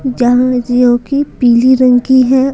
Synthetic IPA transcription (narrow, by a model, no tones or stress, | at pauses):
d͡ʒaːŋd͡ʒijõkipiːliɾə̃ŋkiɦɛ